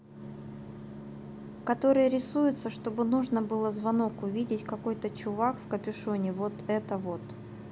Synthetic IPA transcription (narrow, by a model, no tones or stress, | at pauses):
kɐt̪o̞ɾɨjəɾʲɪsujʊt̪səʂt̪o̞bɨnuʐnəbɨlˠəzvɐno̞kʊvʲidʲɪtʲkɐko̞jt̪ət͡ɕʊvakfkəpʲɪʂonʲɪvot̪ɛt̪əvo̞t̪